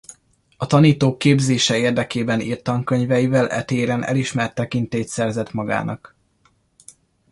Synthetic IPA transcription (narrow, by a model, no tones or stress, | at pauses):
ɒt̪ɒniːt̪oːkːeːbzeːʃɛeːrd̪ɛkeːbɛniːrt̪ɒŋkøɲvɛjivɛlʔɛ̰t̪eːɾɛnʔɛ̰liʃmɛrt̪ːɛkint̪eːt̪sɛrzɛt̪mɒɡa̰ːnʔɒk